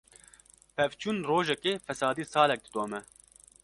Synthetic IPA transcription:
pʰɛvt͡ʃʰuːnroːʒɛkeːfɛsɑːd̪iːsɑːlɛk̚d̪ɨd̪oːmɛ

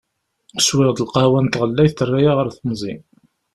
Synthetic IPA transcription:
swɪʁd̪əlqɑwænt̪ʁəlːæjθθərˤːajaʁəɾθəmzˤin

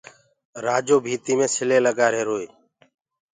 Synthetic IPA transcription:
ɾaːd͡ʒoːbʱiːt̪iːmẽːsɪleːləɡaːɾeːɾoːeː

